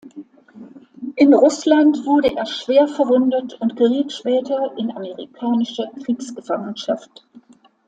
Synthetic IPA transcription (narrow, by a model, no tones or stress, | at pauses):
ʔɪnʁʊslantv̥ʊɐɾəʔeːɐʃv̥eːɐfɛɐvʊndətʰʊntɡ̥əʁiːtʃpɛːtɐʔɪnaməʁikʰaːnɪʃəkʁ̥iːksɡ̥əfaŋənʃaft